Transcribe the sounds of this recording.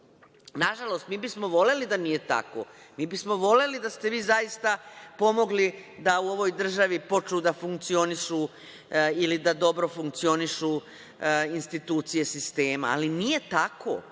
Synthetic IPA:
naʒalo̞st̪miːbismo̞ʋo̞le̞lid̪anije̞t̪a̰ko̰miːbismo̞ʋo̞le̞lid̪ast̪e̞ʋiːzaist̪apo̞mo̞ɡlid̪auoʋo̞jd̪r̩ʒaʋipo̞t͡ʃud̪afuŋk̚t̪sio̞niʃu | ilid̪ad̪o̞bɾo̞fuŋk̚t̪sio̞niʃu | inst̪it̪uːt̪sije̞sist̪e̞ːma̰ːlinije̞t̪ako̰

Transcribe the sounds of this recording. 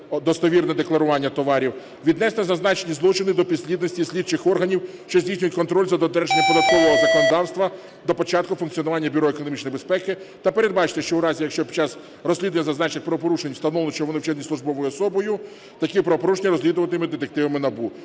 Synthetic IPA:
d̪ɔst̪ɔʋʲirnɛd̪eklˠɐɾʊʋɑnʲːɐt̪ɔʋɑɾʲiw | ʋʲid̪nɛsnɛzɐznɑt͡ʃenʲizlˠɔt͡ʃɪnɪd̪ɔpʲid̪ʲsʲlʲid̪nɔsʲtʲisʲlʲid̪t͡ʃɪxɔrɦɐnʲiw | ʃt͡ʃɔzʲdʲisʲnʲʊjʊtʲkɔnt̪ɾɔlʲzɐd̪ɔt̪ɾɛʒenʲːɐpɔd̪ɐt̪̚kɔʋɔɦɔzɐkɔnɔd̪ɑwst̪ʋɐ | d̪ɔpɔt͡ʃɑt̪kʊfʊnk̪t͡sʲijɔnʊʋɑnʲːɐbʲʊɾɔekɔnɔmʲit͡ʃnjibespɛkɪt̪ɐpeɾe̞d̪̚bɑt͡ʃɪ̥t̪ɛʃt͡ʃɔwɾɑzʲijɐkʃt͡ʃɔpʲi̥t͡ʃːɑz | rɔsʲlʲid̪ʊɐnʲːɐzɐznɑt͡ʃnɪxʲpɾɔʋɔp̬ɔɾuʃenʲwst̪ɐnɔʋlˠɪt͡ʃɛʋɔnɪwt͡ʃɛd̪nʲisˠʊʒbɔʋɔjʊɔsɔbɔjʊ | t̪ɐkipɾɔʋɔpɔɾuʃenʲɐɾɔzʲlʲid̪ʊʋɐt̪ɪmɪd̪et̪ek̚t̪ɪʋɐmɪnɐbu

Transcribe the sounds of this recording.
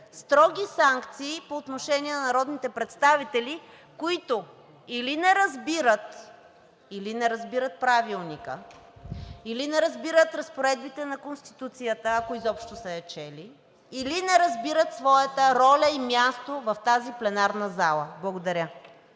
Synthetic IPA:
st̪ɾɔɡ̟ʲisaŋkt̪siːpoːt̪noʃɛnʲiɛnɐnɐɾɔd̪nit̪ɛpɾɛt̪st̪avit̪ɛli | koit̪o | ilinɛɾɐzbiɾət̪ | ilinɛɾɐzbiɾət̪̚pɾavilˠnikə̰ | ilinɛɾɐzbiɾət̪ɾɐspoɾɛd̪bit̪ɛnɐkonst̪i̥t̪ut̪sijət̪əːkoizɔpʃt̪osɐɐt͡ʃɛli | ilinɛɾɐzbiɾət̪svɔjət̪əɾɔlʲəimʲjast̪ovɐft̪aziplɛnaɾnəzalˠəblˠɐɡod̪ɐɾʲə

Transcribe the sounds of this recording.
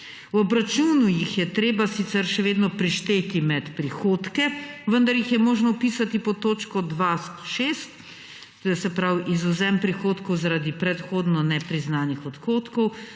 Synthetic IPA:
wɔbɾat͡ʃuːnujixjɛt̪ɾeːbasit̪sɛɾʃɛʋeːd̪nɔpɾiʃt̪eːt̪imɛt̪pɾixoːt̪kɛʋənd̪aɾjixjɛmoːʒnɔpiːsat̪ipɔt̪oːt͡ʃkɔd̪ʋasʃeːst̪ | t̪oːjɛsɛpɾawizuzɛmpɾixoːt̪kɔwzaɾaːd̪ipɾɛt̪xoːd̪nɔnɛpɾiznaːnixɔt̪xoːt̪kɔw

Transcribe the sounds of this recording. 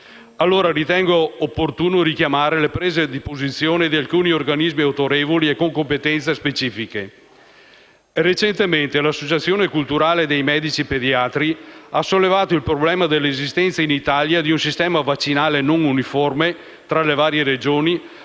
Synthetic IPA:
alːoːɾaɾit̪ɛŋɡoopːort̪uːnoɾikjamaːɾelepɾeːzed̪ipozit̪sːjoːned̪ialkuːniorɡanizmiawt̪oɾeːvoliekoŋkompet̪ɛnt̪sespet͡ʃiːfike | ret͡ʃent̪ement̪elasːot͡ʃat̪sːjoːnekult̪uɾaːled̪ejmɛd̪it͡ʃiped̪iaːt̪ɾiasolːevaːt̪oilpɾoblɛːmad̪elːezist̪ɛnt̪sainit̪aljad̪iunsist̪ɛːmavat͡ʃːinaːlenoŋuniforme | t̪ɾalevaːɾjeɾed͡ʒoːni

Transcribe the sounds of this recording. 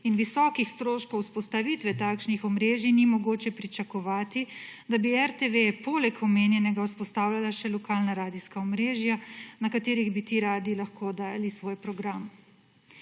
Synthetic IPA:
inʋisɔːkixst̪ɾoːʃkɔwspɔst̪aʋit̪ʋɛt̪aːkʃnixɔmɾeːʒinimɔɡoːt͡ʃɛpɾit͡ʃakɔʋaːt̪id̪abiɛɾt̪eʋeɛpoːlɛkɔmeːnjɛnɛɡauspɔst̪aːwlalaʃɛlɔkaːlnaɾaːd̪iskaɔmɾeːʒjanakat̪eːɾiɣbit̪iːɾaːd̪ilaxkod̪aːjalisʋoːjpɾɔɡɾam

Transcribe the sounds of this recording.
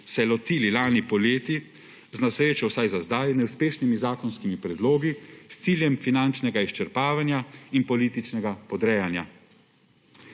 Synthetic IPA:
sɛlɔt̪iːlilaːnipɔleːt̪i | znasɾeːt͡ʃɔwsajzazd̪aːjnɛwspeːʃnimizaːkɔnskimipɾɛd̪loːɡist̪siːljɛmfinant͡ʃnɛɡaiʃt͡ʃɛɾpaːʋanjainpɔliːt̪it͡ʃnɛɡapɔd̪ɾɛːjanja

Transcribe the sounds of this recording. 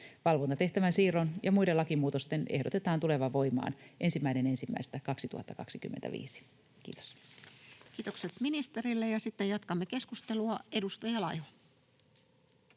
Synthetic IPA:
ʋɑlʋont̪ɑt̪e̞ht̪æʋænsiːronjʔɑmujdelɑkimuːt̪o̞st̪enehdot̪e̞t̪ɑːnt̪ule̞ʋɑʋʋo̞jmɑ̰ːnʔe̞nsimːæine̞ne̞nsimːæ̰ist̪ækɑksit̪uhɑ̰t̪ːɑkɑksikymːḛnt̪æ̰ʋḭːsi̥ | kḭːt̪o̥s | k̟iːt̪o̞kset̪minist̪eɾilːejɑsit̪ːejɑt̪kɑmːeke̞skust̪e̞luɑe̞dust̪ɑjɑlɑjho

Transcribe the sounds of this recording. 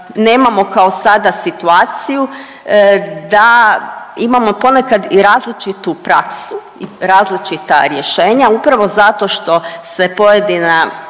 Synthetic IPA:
ne̞ːmamo̞kao̞sad̪asit̪uaːt̪siju | d̪a | imamo̞po̞nekad̪iɾaːzlit͡ʃit̪upɾa̰ksu | iɾaːzlit͡ʃit̪a̰ɾje̞ʃe̞ːɲaupɾaʋo̞zat̪o̞ʃt̪o̞se̞po̞je̞d̪ina

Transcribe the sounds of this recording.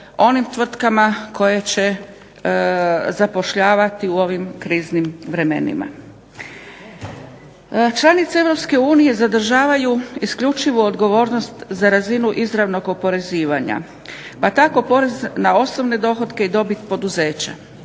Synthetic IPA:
o̞nimt̪ʋr̩t̪kamako̞je̞t͡ɕe̞ | zapo̞ʃʎaːʋat̪iuo̞ʋimkɾiːznimʋɾe̞mḛnḭma̰ | t͡ʃlˠanit̪see̞ʋɾo̞pske̞uːnije̞zad̪r̩ʒaːʋajuiskʎut͡ʃiʋuod̪ɡo̞ʋo̞ːɾno̞st̪zaɾazinuʔizɾaʋno̞ɡo̞po̞ɾe̞ziːʋaɲa̰ | pat̪ako̞po̞ɾe̞znao̞sno̞ʋne̞d̪o̞xo̞d̪ke̞id̪o̞bit̪po̞d̪uze̞ːt͡ɕa̰

